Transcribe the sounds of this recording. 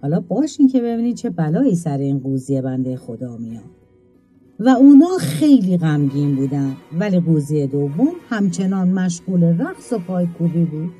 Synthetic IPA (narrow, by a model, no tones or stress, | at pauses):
hɒːlɒːbɒːʃiŋcʰe̞βe̞biːniːd̪̚t͡ʃʰe̞bælɒːiːsæɾeiːnɡuːzije̞bænd̪e̞jexo̞d̪ɒːmijɒ̰ːd̪ | væuːnɒːxe̞jliːɣæmɟiːnbuːd̪ænd̪væliːɣuːzijed̪ovːomhæmt͡ʃʰe̞nɒːnmæʃ̬ɣuːleɾæqsopʰɒːjkʰubiːbuːd̪̥